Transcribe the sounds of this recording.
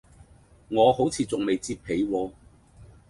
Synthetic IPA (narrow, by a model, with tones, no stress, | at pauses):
ŋɔː˨˧ho˨˥wt͡sʰiː˨˧t͡sʊ˨ŋme˨jt͡siː˧pʰe˨˧jwɔː˧